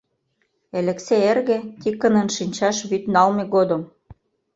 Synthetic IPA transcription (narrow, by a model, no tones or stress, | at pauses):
elĕkseerɣĕt̪ikːə̆nə̆nʃinʲt͡ɕɑʃβyt̪nɑlmeɣod̪ə̆m